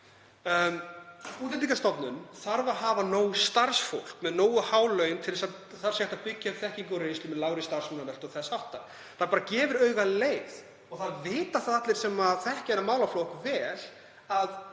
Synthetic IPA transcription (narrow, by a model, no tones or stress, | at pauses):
muːt̪ɪiːkast̪ɔt̪nʏnθaɾvaɦaːvanoːwʏst̪aɾsfowl̥kmɛðnoːwʏhaːwlœːɥjnt̪ʰɪlɛsa | θaɾ̥sjɛht̪apɪcːaavθɛhciŋkɔɾejnst̪ɪmɛðlaːwɾɪst̪aɾ̥sɔnanɛl̥t̪ɔɣθɛsawht̪a | θaɾpaːɾacɛːvʏɾœːɥɣaleːjð | ɔɣθaðvɪːt̪aθaðat̪lɪɾ̥sɛmaðθɛhcanamaːwlaflowhkvɛːl | að